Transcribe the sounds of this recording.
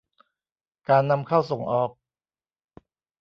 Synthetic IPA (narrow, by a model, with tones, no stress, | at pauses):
kaː˧nːa˧mkʰa˥˩wso˩˦ŋʔɔː˨˩k̚